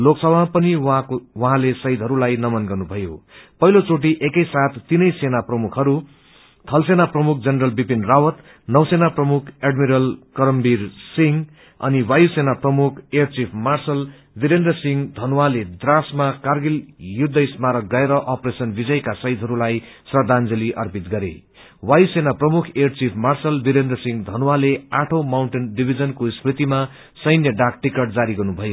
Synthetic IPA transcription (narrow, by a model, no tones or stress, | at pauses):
loksʌbʱapʌniwaowʌɦãlesʌid̪ʱɦʌɾulajnʌmʌnɡʌrnubʱʌjo̰pʌɦilot͡soʈ̬iʔekʌjsat̪ʰt̪ːinʌjsenaprʌmukʰɦʌɾu | t̪ʰʌlsenaprʌmuk̚ʰd͡zʌnrʌlbibinrawʌt̪ | nʌwsenaprʌmukʰeɖmiɾʌlkʌɾʌmbirsiŋ | ʌ̰niwajusenaprʌmukʰejʌrt͡sipʰmarsʌl | biɾend̪rʌsiŋd̪ʱʌnwaled̪rasmakarɡiljud̪ːʌismaɾʌɡʌeɾʌʔʌpresʌnbid͡zʌjkasʌjd̪ʱɦʌɾulaj | sʌrd̪ʱand͡zʌliʔʌrpit̪̚ɡʌɾḛ | wajusenaprʌmukʰejʌrt͡sipʰmarsʌlbiɾend̪rʌsiŋd̪ʱʌnwaleaʈʰomawɳʈenɖibʱid͡zʌnkosprit̪ima | sʌjnjʌɖak̚ʈikʌʈ̚d͡zaɾiɡʌrnubʱʌjo